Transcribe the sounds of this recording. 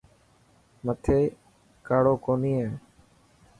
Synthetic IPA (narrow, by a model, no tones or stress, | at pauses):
mət̪ʰeː | kaːɽoːkoːniːɦẽː